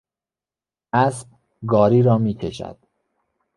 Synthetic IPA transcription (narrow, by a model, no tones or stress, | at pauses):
ʔæsb | ɡɒːɾiːɾɒːmiːcʰeʃæ̰d̪̥